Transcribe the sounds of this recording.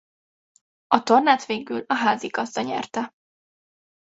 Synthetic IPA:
ɒt̪o̞rnaːt̪ʋeːɡylɒɦaːziɡɒzd̪ɒɲɛ̰rt̪ɛ

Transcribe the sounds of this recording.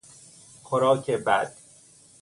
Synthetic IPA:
xoɾɒːkʰebæd̪̥̚

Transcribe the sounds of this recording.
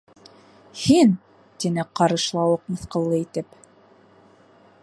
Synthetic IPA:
hin | t̪inɘqɑɾɤ̆ʃlˠɑwɤq̚mɤ̆θqɤ̆lˠːɤit̪ɘp

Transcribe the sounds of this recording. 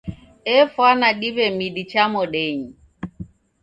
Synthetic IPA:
ɛfwanaɗiβɛmiɗit͡ʃamɔɗɛɲi

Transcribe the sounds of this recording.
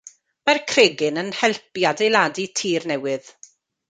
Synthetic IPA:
markʰreːɡɪnənhɛlˠpjadejlˠaːditʰiːrnɛwɪð̥

